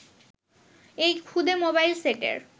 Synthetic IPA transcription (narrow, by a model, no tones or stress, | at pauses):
ejkʰud̪ʱemobajlseʈḛɾ